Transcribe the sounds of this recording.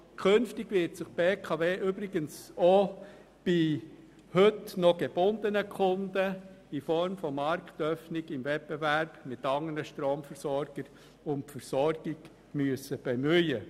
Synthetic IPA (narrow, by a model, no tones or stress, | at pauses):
kʰɵnftɪɡvɪɾtsɪχpeːkʰɑveːʔybɾɪɡənso | b̥i | hɵtnɔɡ̥eb̥ʊnd̪ənəkʰʊndə | ifɔɾmfɔmɑɾkt̪œfnɪɡɪmvɛp̚bevæɾb̥mɪt̪ɑŋənəʃtɾoːmfəɾsɔɾɡ̥əɾ | ʊntfəɾsɔɾɡ̥ɪɡ̥ | myəsəb̥emyjə